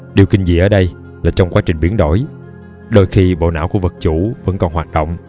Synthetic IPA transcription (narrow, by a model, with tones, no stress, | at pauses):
ɗi˨˩əwkï˧ŋ̟zi˨˩ʔəː˧˩˦ɗə˧j | laː˨˩t͡ɕɔ˧wŋ͡mkwaː˨˦˥t͡ɕï˨˩ŋ̟ɓi˨˦ənɗo˧˩j | ɗo˧jxi˧ɓo̰˧˨na̰ː˧˥wku˧˩əvə˨˩k̚t͡ɕu˧˥və̰˧˥nkɔ˨˩nhɦaː˨˩t̚ɗo̰˧˨wŋ͡m